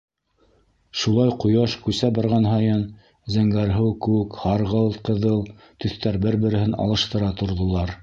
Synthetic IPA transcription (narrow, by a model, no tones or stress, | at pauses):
ʃulˠɑjqŏjɑʃkʉsæbɑɾʁɑnɦɑjɤn | zæŋɡæɾɦɘwkʉɘkhɑɾʁɤlˠqɤ̆ðɤlˠ | t̪ɵ̆θt̪æɾbɘɾbɘ̆ɾɘ̆hɘnɑ̰lˠɤ̆ʃt̪ɤ̆ɾɑt̪ŏɾðŏlˠɑɾ